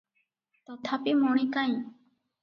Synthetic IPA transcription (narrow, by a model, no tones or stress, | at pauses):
t̪ɔt̪ʰapimɔɽ̃ikaj̃